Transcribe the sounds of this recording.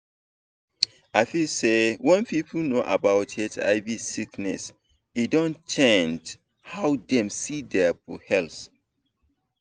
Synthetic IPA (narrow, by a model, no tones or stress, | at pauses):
aɪfilsewɛ̃npip̩ʰnoʔa̰baʊtɛtʰa̰ɪvisiknɛ̰s | edɔ̃nt͡ʃɛ̃nd͡ʒ | hawdɛ̃msidɛbuhɛls